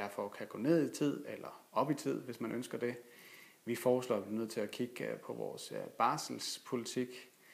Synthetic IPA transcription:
d̥æɐfɒkʰæɡ̥o̰ːne̝ð̰ˠit͡sʰið̰ˠelɐɒ̽b̥it͡sʰið̞̰ˠʋe̝smænʔønsɡ̥ɐd̥e̝ | ʋifɒːslɒ̰ːb̥linøð̰ˠt͡sʰe̝lækʰiɡ̥pʰɒ̽ʋɒ̰ːsb̥ɑ̈ːsl̩spʰo̝lit͡sʰiɡ̥

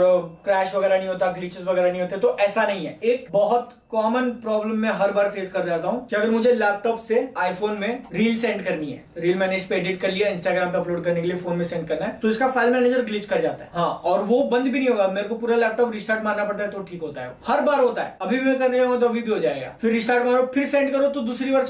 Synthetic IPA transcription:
kɾɛːʃʋɐɡɛːɾanɐɦĩɦoːt̪aɡlit͡ʃɪzʋɐɡɛːɾanɐ̃ɦĩɦoːt̪eɦɛt̪oʔɛːsanɐɦĩɦɛːeːkbɐɦɔt̪ | kɔːmənpɾɔːbləmːɛ̃ɦɐɾbaːɾfeːzkɐɾd͡ʒaːt̪aɦũkiɐɡəɾmʊd͡ʒʱelɛːp̚ʈɔːpseaːifoːnmẽɾiːlsɛ̃ːɳɖkɐɾniɦɛ̰ːɾiːlmɛːneːd͡ʒpeɖɪʈkɐɾlijaɪ̃nsʈaːɡɾaːmpeɐploːɖkɐɾnek̬eliefoːnmẽsɛ̃ːɳɖkɐɾnaɦɛt̪oɪskafaːɪlmɛːneːd͡ʒəɾɡlɪt͡ʃkɐɾd͡ʒa̰ːt̪aɦɛɦãːɔːɾʋobɐ̃nd̪bʱinə̃ɦĩɦoːɡameːɾekopuːɾalɛːp̚ʈɔːpɾɪsʈaːɾʈmaːnnapɐɽt̪aɦɛt̪oʈʰiːkɦoːt̪aɦɛ̰oːhɐɾbaːɾɦoːt̪aɦɛ̰ːɐbʱibʱimɛ̃kɐɾnad͡ʒaːɦõŋɡat̪oɐbʱibʱiɦod͡ʒaːḛɡa̰ːfɪɾːɪsʈaːɾʈmãːɾofɪɾsẽːɳɖkɐɾot̪od̪uːsɾibɐɾs

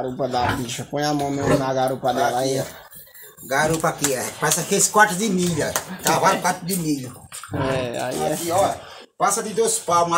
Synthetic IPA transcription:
ɾupɐd̪apiʃɐpõj̃amõw̃mẽmnaɡaɾupɐd̪ɛlaiɛ | ɡaɾupakiɛpasɐkeskwat̪ʊd̪ɪmiʎat̪avaɾkwat̪ɾʊd̪ɪmiʎʊɛa̰ḭaɛkiɔ | pasɐd̪ɪd̪ospama

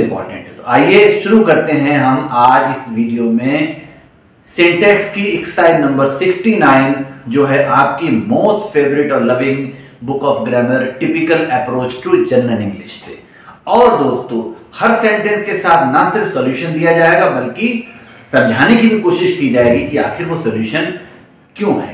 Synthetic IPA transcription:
mpɔ̰ːɾʈə̃ɳʈɦɛt̪oaːjeʃʊɾukɐɾt̪eɦɛ̃ɦɐmaːd͡ʒɪsʋiːɖijomẽ | sẽːɳʈɛːkskiɪksaːɪɖnɐ̃mbəɾsɪksʈinaːɪnd͡ʒoːɦɛʔaːp̚kimoːsʈfeːʋəɾɪʈɔːlɐʋɪ̃ŋ | bʊkɔːfɡɾɛːməɾʈɪpɪkəlɛpɾoːt͡ʃʈɾuːd͡ʒɐnːənɪ̃ŋɡlɪʃsʰeː | ɔːɾd̪oːst̪õːhɐɾsẽːɳʈɛ̃nskesaːt̪ʰnɐsɪɾfsɔːljuːʃənd̪ijad͡ʒaːeːɡabɐlki | sɐ̃md͡ʒʱaːnekibʱikoːʃɪʃkid͡ʒaːeːɡikiaːxɪɾʋosoːljuːʃən | kjõːɦɛː

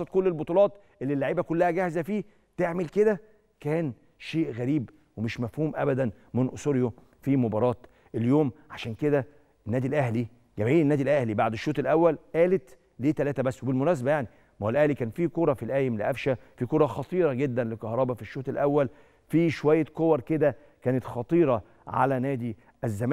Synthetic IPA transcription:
ɑt̪̚kolːelbot̪ˤulɑːt̪ | ʔelːilːaʕiːbækolːæhæɡæhzæfiː | t̪eʕmelked̪æ | kæːn | ʃeːʔɣæɾiːb | wemeʃmæfhuːmʔæbæd̪æn | menʔosoɾjo | fimobɑɾˤɑːt̪ | ʔeljoːmʕaʃæːnked̪æ | ʔenːæːd̪ilʔæhli | ɡæmʕiːlenːæːd̪ilʔæhlibaʕd̪eʃːoːt̪elʔæwːælʔæːlet̪ | leːt̪ælæːt̪æbæsːwebelmonæːs̬bæjaʕni | mælʔæhlikæːnfikoɾˤɑfilʔæːjemleʔæfʃæfikoɾˤɑxɑt̪ˤiːɾˤɑɡed̪ːænlekɑhɾˤɑːbɑfiʃːoːt̪elʔæwːæl | fiːʃowæjːækowɑɾˤked̪æ | kæːnet̪xɑt̪ˤiːɾˤɑ | ʕa̰lænæːd̪i | ʔæzːæm

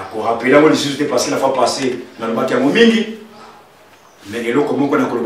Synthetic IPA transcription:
koʁapelaŋɡɔlis̬usutepaselafapasenalobakijaŋɡɔmiŋɡi | mɛŋelɔkɔmɔkɔnakolob

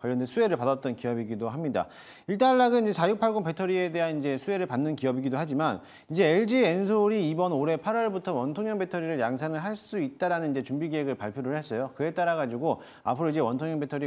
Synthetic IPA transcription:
kwaʎːʌndesʰue̞ɾɯɭpadat̚t͈ʌnkijʌbiɡidoɦamɲida̰ | iɭt͈aɭːaɡɯnid͡ʑe̞t͡ɕajuk̚pʰaɡoŋpe̞tʰʌɾie̞de̞ɦanind͡ʑe̞sʰue̞ɾɯɭpanːɯnkiʌbiɡidoɦad͡ʑiman | id͡ʑe̞eɭd͡ʑiensʰoɾiːbʌnoɾe̞pʰaɾʌɭbutʰʌwʌntʰoŋɲjʌŋpe̞tʰʌɾiɾɯɭjaŋsʰanɯɭɦaɭs͈uit̚t͈aɾanɯnind͡ʑe̞t͡ɕumbiɡiɦeɡɯɭpaɭpʰjoɾɯɭɦe̞s͈ʌjokɯe̞t͈aɾaɡad͡ʑiɡo | a̰pʰɯɾoid͡ʑe̞wʌntʰoŋɲʌŋpʰe̞tʰʌɾi

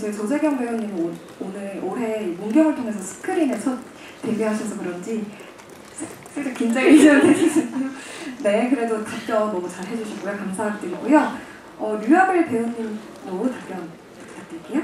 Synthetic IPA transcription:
t͡ɕʰʌit͡ɕod͡ʑeɡjʌŋbeunɲimo | onɯɭoɾe̞imoŋɡjʌŋɯɭtʰoŋe̞sʰʌsʰɯ̥kʰɯɾinet͡ɕʰʌt̚ | t͈e̞biɦaɕʰʌsʰʌkɯɾʌnd͡ʑi | sʰs͈ʰɯɭt͡ɕ͈ekind͡ʑeid͡ʑʌɯned͡ʑisʰik͈ujone̞kɯɾe̞dotɯt͡ɕ͈ʌːʌt͡ɕaɭɦe̞d͡ʑuɕʰiɡojakamsʰaɦak̚t͈emkujʌ | ʌɾujʌbɯɭpe̞uɲimn | noutap͈jʌn | k͈at̚t͈eik͈ejo

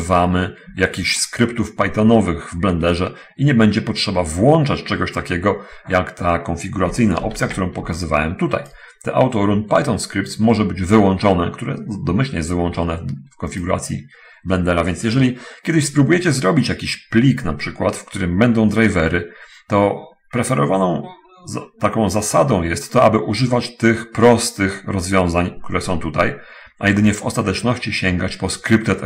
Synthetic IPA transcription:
vamɘjakʲixɕskɾɘpt̪ufpajt̪ɔnɔvɘɣvblɛnd̪ɛʐɛ | iɲɛbɛɲd͡ʑɛpɔtʂɛbavwɔnt͡ʂat͡ɕt͡ʂɛɡɔɕt̪akʲɛɡɔjakt̪akɔnfʲiɡuɾat̪sɘjna̰ʔɔp̪̚sʲjakt̪uɾɔ̃w̃pɔkazɘva̰wɛ̰mt̪ut̪a̰j | t̪ɛ̰ʔa̰wt̪ɔɾunpajt̪ɔnskɾip̚t̪smɔʐɛbɘd͡ʑvɘwɔnt͡ʂɔnɛkt̪uɾɛ̰d̪ɔmɘɕlʲɲɛɛst̪vɘwɔnt͡ʂɔnɛfkɔnfʲiɡuɾa̰t̪sʲjḭ | blɛnd̪ɛɾavʲjɛnsjɛʐɛlʲikʲɛd̪ɘɕspɾubujɛt͡ɕɛzɾɔbʲit͡ɕjakʲiɕplʲiknapʂɘkwat̪fkt̪uɾɘmbɛnd̪ɔ̃w̃d̪ɾajvɛɾɘ | t̪ɔ | pɾɛfɛɾɔvanɔ̃w̃ | t̪akɔ̃w̃zasad̪ɔ̃w̃jɛst̪ːɔʔabɘʔuʐɘvat͡ɕt̪ɘxpɾɔst̪ɘxɾɔzvʲjɔ̃w̃zaɲk̚t̪uɾɛsɔ̃w̃t̪ut̪aj | ajɛd̪ɘɲɛvɔst̪at̪ɛt͡ʂnɔɕt͡ɕiɕɛŋɡat͡ɕpɔskɾɘpt̪ɛ

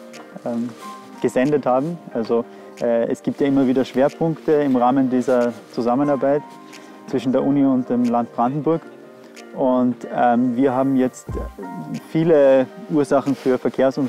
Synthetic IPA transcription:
ʔɛːm | ɡ̥əzɛndəthaːbm̩ʔalzo | ʔɛːɛ̰sɡ̥iːp̚tjaːʔɪmɐviːdɐʃv̥eːɐpʰʊŋktəɪmʁaːməndiːzɐt͡suzamənaɐbaɪt | t͡sv̥ɪʃn̩deːɐʔuniʊnt̚d̥eːmlantb̥ʁandn̩bʊɐk | ʔʊntɛmviːɐɦaːbm̩jɛt͡st | fiːləʔuːɐzaχn̩fyːɐfɛɐkʰeːɐsʊn

